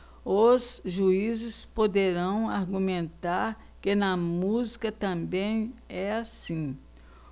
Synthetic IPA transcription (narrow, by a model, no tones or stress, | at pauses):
ozʒuizɪspod̪eɾɐ̃w̃aɾɡumẽnt̪aɾ | kɪnɐmuzikɐt̪ɐ̃mbẽj̃ɛasĩ